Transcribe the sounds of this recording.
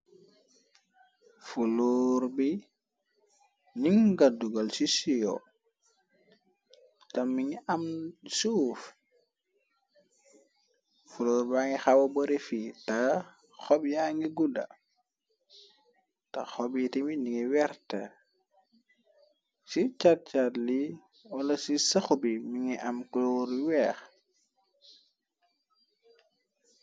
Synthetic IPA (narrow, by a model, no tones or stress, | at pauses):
fuloɾbi | niŋɡaduɡalsisijɔ̰ | tamiŋamsuːf | fuloːɾbaŋɡixawoboɾefita | xɔbjaŋɡiɡudɐ̰ | tɐxɔbitiminiŋiwɛɾtɐ̰ | sit͡ʃat̚t͡ʃatli | wɐlɐsisɐxubimiŋiʔɐmklɔːɾwɛːx